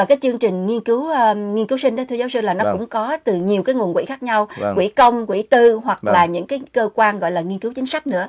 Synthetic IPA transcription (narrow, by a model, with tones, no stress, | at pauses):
aː˨˩kaː˨˦jt͡ɕɨ˧əŋt͡ɕï˨˩ŋ̟ŋi˧ənkɨ˨˦wʔŋi˧nkɨ˨˦wsï˧ŋ̟ɗɔ˨˦t̪ɨ˧za˨˦wsɨ˧laː˨˩nɔ˨˦kʊ̰˧˥ŋ͡mkɔ˨˦t̪ɨ˨˩ɲi˨˩əwkaː˨˦jŋu˨˩nkwḭ˧˩xaː˦˥k̚ɲa˧wkwḭ˧˩kə˧wŋ͡mkwḭ˧˩t̪ɨ˧ɦwa˨˩k̚laː˨˩ɲɨ̰˧˥ŋkaː˨˦jkəː˧kwaː˧nɣɔ̰˧˨jlaː˨˩ŋi˧ənkɨ˨˦wt͡ɕi˨˦ŋ̟sa˦˥k̟̚nɨ̰˧˥ə